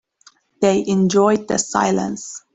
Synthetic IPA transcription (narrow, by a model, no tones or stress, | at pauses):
ð̥eɪʔɛ̃nd͡ʒɔɪd̪̚ðə̰sa̰ɪlə̰̃ns